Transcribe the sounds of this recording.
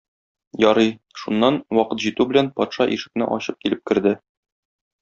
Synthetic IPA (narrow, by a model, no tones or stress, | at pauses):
jɒɾɤj | ʃunːɑnwɒqɤt̪ʑit̪ʉbɘ̆lænpɒt̪ʃɑʔiʃɘ̆k̚nɘ̰ʔɒ̰ɕɤp̚kilɘp̚kɘ̆ɾd̪ɘ